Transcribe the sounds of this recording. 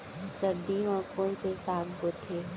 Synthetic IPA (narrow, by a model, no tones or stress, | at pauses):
səɾd̪iʋɔ̃ːkõsesaːkɡot̪ʰeː